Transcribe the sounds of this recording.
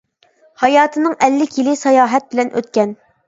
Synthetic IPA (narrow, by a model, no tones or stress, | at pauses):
hɑjɑːt̪ʰɨnɨŋʔɛlːɪkʲjilɪsɑjɑːɦɛt̪̚bɪlɛnʔø̰t̪kʲɛn